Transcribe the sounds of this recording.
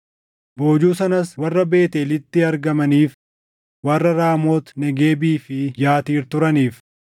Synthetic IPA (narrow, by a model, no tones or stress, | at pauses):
bo̞ːd͡ʒuːsɐnɐswɐrːɐbe̞ːt̪eːlɪt̪ːɪɐɾɡɐmɐniːf | wɐrːɐɾaːmo̞ːt̪nɛɡe̞ːbiːfɪjaːt̪iːɾt̪ʊɾɐniːf